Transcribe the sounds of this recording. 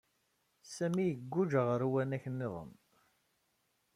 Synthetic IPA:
sæmijəɡʷːud͡ʒəʁəɾwænæçənːɪðˤə̰m

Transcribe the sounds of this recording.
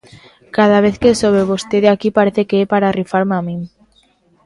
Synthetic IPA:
kað̞aβ̞eθkesoβ̞eβ̞ost̪eðeakipaɾeθekeepaɾarifaɾmamĩŋ

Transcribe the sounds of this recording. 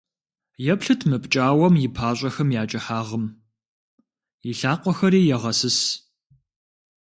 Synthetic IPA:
jɛpɬɨtʰmɨpʼt͡ʃʼaːwɐmjɪpʰaːɕʷʼɐxɐmjaːt͡ʃʼɐħaːʁəm | jɪɬaːqʷɔxɐɾiːjɛʁɐsɨs

